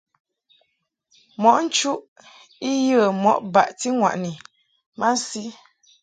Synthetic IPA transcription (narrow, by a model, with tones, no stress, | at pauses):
mɔ˨ʔn̩˦t͡ʃu˦ʔ | i˦jə˦˨mɔ˦ʔba˨ʔti˦ŋwa̰˨ʔni˨ | ma˦si˦